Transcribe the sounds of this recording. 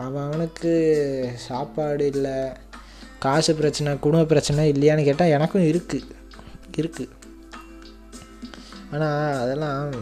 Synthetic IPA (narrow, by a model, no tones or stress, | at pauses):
ɐʋɐ̃ɐʋɐnɯkːɯsaːpaːɽɯɪlːɐ | kaːsɯpɪɾɐt͡ʃːɐnɐ̃kʊɽʊmbɐp̬ːɪɾɐt͡ʃːɐnɐ̃ɪlːɐjaːnɯkeːʈːãːɛnɐkːʊ̃ɪɾɯkːɯ | ɪɾɯkːɯ | aːnaːɐðɛlːãː